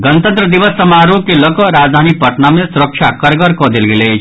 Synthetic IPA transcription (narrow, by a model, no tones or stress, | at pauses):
ɡʌnt̪ʌnt̪ɾʌd̪ibʌsːʌmaɾukelokɔɾad͡zd̪ʱanipʌʈ̪namesuɾəkt͡ʃʰakʌɾɡɔɾkɔd̪elɡele